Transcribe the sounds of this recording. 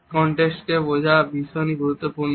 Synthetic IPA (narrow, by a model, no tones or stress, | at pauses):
kɔɳʈeksʈkebod͡ʑʱabiʃɔjniɡʱuɾut̪ːopuɾn